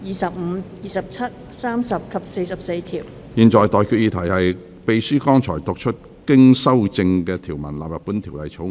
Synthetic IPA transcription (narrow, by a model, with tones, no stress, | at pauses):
jiː˨˩sɐ˨p̚m̩˨˧jiː˨sɐ˨p̚t͡sʰɐ˥t̚ | saː˥msɐ˨p̚kʰɐ˨p̚se˧jsɐ˨p̚se˧jt̪ʰiː˨˩w | jiː˨nt͡ʃɔː˨jt̪ɔː˨jkʰy˧t̚jiː˧t̪ʰɐ˨˩jhɐ˨j | pe˨jsyː˥kɔː˥ŋt͡ʃʰɔː˨˩jt̪ʊ˨k̚t͡ʃʰɵ˥t̚ | kɪ˥ŋsɐ˥wt͡sɪ˧ŋkɛː˧t̪ʰiː˨˩wmɐ˨˩nla̰ː˨p̚jɐ˨t̚puː˨˥nt̪ʰiː˨˩wlɐ˨jt͡sʰo˨˥